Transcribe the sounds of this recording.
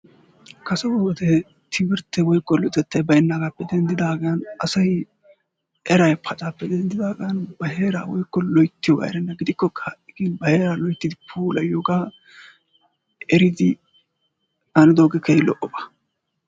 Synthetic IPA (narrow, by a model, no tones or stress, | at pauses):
kɐsɛwɔwɔd̪ɛ | t̪ʰɪbɪɾt̪ːɛwɔjkːɔlɔjt̪ːɛt̪ːɐjbɐjɪnːaːɡaːpːɛd̪ɛnd̪ɪd̪aːɡɐjɐnɐsɐj | ʔɛɾɐjpʰɐt͡ʃʼaːpːɛd̪ɛnd̪ɪd̪aːɡɐjɐnbɐɦeːɾa̰ːwɔjkːɔlɔjt̪ːɪjɔɡɐ̰ɛ̰ɾɐnːɐɡɪd̪ɪkːɔkʰɐɐʔɪɡinbɐhe̞ːɾaːlɔjt̪ːɪd̪ɪpʰuːlɐjoːɡaː | ʔɛɾɪd̪ɪ | ɐnɪd̪oːɡɛkʰɛjlɔ̰ʔɔbɐ̥